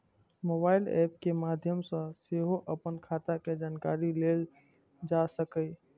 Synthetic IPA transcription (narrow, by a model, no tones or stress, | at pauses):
moːbaːɪlɛ̰ːp̚kemaːd̪ʱjəmsə̃seɦoʔəpənkʰaːt̪aked͡ʒaːnkaːɾileːl | d͡ʒasəkə